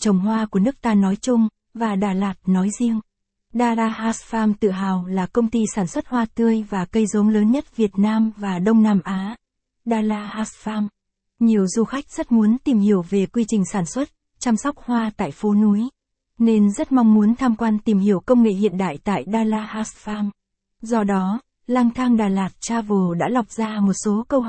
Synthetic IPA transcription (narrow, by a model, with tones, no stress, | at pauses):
t͡ɕə˨˩wŋ͡mɦwaː˧ku˧˩ənɨ˦˥ək̚t̪aː˧nɔ˨˦jt͡ɕʊ˧ŋ͡m | vaː˨˩ɗaː˨˩laː˨˩t̚nɔ˨˦jzi˧əŋ | ɗaː˧laː˧haː˦˥sfaː˧mt̪ɨ̰˧˨ɦaː˨˩wlaː˨˩kə˧wŋ͡mt̪i˧saː˧˩nswə˦˥t̚hwaː˧t̪ɨ˧əjvaː˨˩kə˧jzə˨˦nləː˨˦nɲə˦˥t̚vi˨˩ət̚naː˧mvaː˨˩ɗə˧wŋ͡mnaː˧mʔaː˨˦ | ɗaː˧laː˧haː˦˥sfaː˧m | ɲi˨˩əwzu˧xa˦˥jk̟̚z̥ə˦˥t̚mu˨˦ənt̪i˨˩mhi˧˩əwve˨˩kwi˧t͡ɕï˨˩ŋ̟saː˧˩nswə˦˥t̚ | t͡ɕa˧msɔ˦˥wk͡p̚hwaː˧t̪a̰ː˧˨jfo˨˦nu˨˦j | ne˧nzə˦˥t̚ma˧wŋ͡mmu˨˦ənt̪ʰaː˧mkwaː˧nt̪i˨˩mhi˧˩əwkə˧wŋ͡mŋḛ˧˨hḭ˧˨ənɗa̰ː˧˨jt̪a̰ː˧˨jɗaː˧laː˧haː˦˥sfaː˧m | zɔ˧ɗɔ˨˦ | laː˧ŋt̪ʰaː˧ŋɗaː˨˩laː˨˩t̚t͡ɕaː˧vo˨˩ɗa̰ː˧˥la˨˩wk͡p̚zaː˧mo˨˩t̚so˨˦kə˧wh